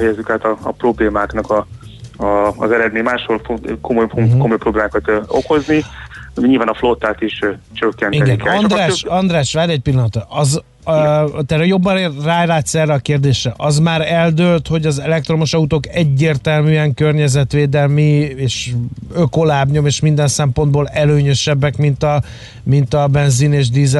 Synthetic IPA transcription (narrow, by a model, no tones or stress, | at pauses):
ɛjɛzːykaːt̪ɒ̰ːpro̞bleːmaːknɒkɒ | zɛɾɛd̪meːɲmaːʃholfokomojokomo̞jpɾrobleːmaːkɒt̪o̰ko̞zniɲiːlvaːnɒflot̪ːaːt̪iʃt͡ʃøkːɛniɛnɡ̪inkɛlɒnd̪ɾaːʃɒnd̪raːʃʋaːɾɛc̚pilːɒnɒt̪ɔʔɒz | t̪ɛɾɛjo̞bːɒraːlaːt̪sɛrːɛɒkeːrd̪eːʃrɛʔɒzmaːɾɛld̪øːlt̪ho̞ɟɒzɛlɛk̚t̪ro̞moʃɒut̪oːkɛɟːeːrt̪ɛlmyːɛŋkørɲɛzɛt̪ʋeːd̪ɛlmieːʃøko̞laːbɲo̞meːʃmind̪ɛnsɛmpo̞nd̪boːlɛløːɲøʃɛbːɛkmint̪ɒ | mint̪ɒbɛnzineːʒd̪izɛ